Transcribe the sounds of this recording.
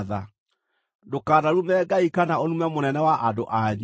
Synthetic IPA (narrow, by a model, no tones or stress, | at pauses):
ða | dokaːðaɾumɛɡaikanaonumɛmonɛnɛwaʔandoʔaɲ